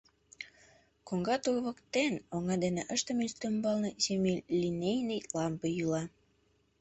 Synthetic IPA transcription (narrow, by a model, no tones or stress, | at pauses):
koŋɡɑt̪uɣβə̆kt̪enoŋɑd̪eneʔəʃt̪ə̆minst̪ømbɑlnɤsemilʲlʲinejnejlɑmbejylɑ